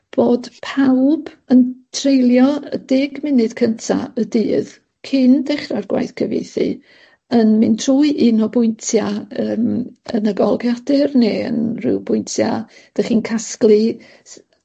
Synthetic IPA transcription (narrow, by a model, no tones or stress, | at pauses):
b̥oːd̥pʰawb̥ | əntʰrejlˠjɔə̰dɪɡmɪnɨd̥kʰəntʰa̰ədɨːð | kʰɪndɛχrarɡwa̰jθkʰəvḛjθɨ̰ | ənmɨntʰruːɨʔinɔbʊjntʰjaəːmə̰nəɡɔlˠɡjadɨrneːə̰nrɪ̰wbʊjntʰja̰d̥əχiːnkʰasklˠɨ